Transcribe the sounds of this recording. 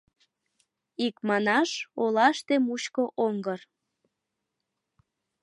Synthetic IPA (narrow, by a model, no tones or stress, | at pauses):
ikmɑnɑʃolɑʃt̪emut͡ɕkoʔoŋɡər